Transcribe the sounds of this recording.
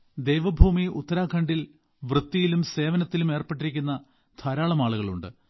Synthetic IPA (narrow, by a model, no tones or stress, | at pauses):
d̪e̞jʋɐbʱuːmiut̪ːɐɾaːkʰɐɳɖil | ʋrɨt̪ːijilumse̞ːʋɐnɐt̪ːilume̞ːrpe̞ʈːiɾik̬ʲːunːɐ | d̪ʱʰɐɾaːɭɐmaːɭuɣɐɭuɳɖɨ